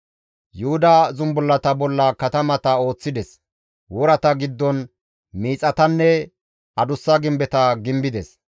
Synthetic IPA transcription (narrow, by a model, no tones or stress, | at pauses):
jʊhʊd̪azʊmbʊlːɐt̪ɐbɔlːɐkɐt̪ɐmɐt̪ɐo̞ːt͡sːɪd̪ɛs | wɔɾɐt̪ɐɡɪd̪ːɔn | miːt͡sʼɐt̪ɐnːɛ | ɐd̪ʊsːɐɡɪmbɛt̪ɐɡɪmbɪd̪ɛs